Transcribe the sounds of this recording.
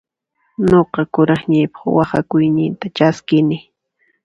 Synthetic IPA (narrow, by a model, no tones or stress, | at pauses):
noqɑkʊɾɑχɲajpɑ̥χwɑχakʊjnɪnt̪at͡ʃaskɪnɪ